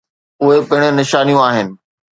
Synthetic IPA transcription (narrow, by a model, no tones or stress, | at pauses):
ʊɦepɪɪɽ̃ʊnɪʃaːnijũaːɦɪnɪ̆